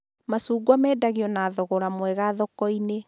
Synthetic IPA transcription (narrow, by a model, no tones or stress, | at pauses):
masuɡwamɛːdaɣiɔnaːðɔɣɔɾamwɛɣaðɔkɔine